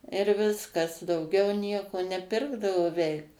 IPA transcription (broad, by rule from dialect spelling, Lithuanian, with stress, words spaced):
ɪr ˈʋʲɪskɐs dɐʊˈɡʲɛʊ ˈnʲiɛkoː nʲɛˈpʲɪrɡdɐʋoː ˈʋʲɛɪk